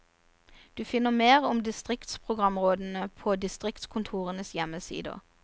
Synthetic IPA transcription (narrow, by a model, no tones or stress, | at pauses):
d̪̥ʉːfɪnːəmeːʁʊmd̪ɪst̪ʁɪkt̪spʰʁʊɡʁɑmʁoːd̪n̩əpʰoːd̪ɪst̪ʁɪkt̪skʰʊnt̪ʰuːʁənəsjɛməsḭːd̪ə̰